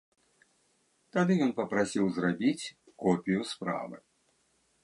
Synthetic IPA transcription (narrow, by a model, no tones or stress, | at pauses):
t̪ad̪ɨjɔnpɐpɾasʲiwzrabʲit͡sʲ | kɔpʲijuspɾa̰vɨ̰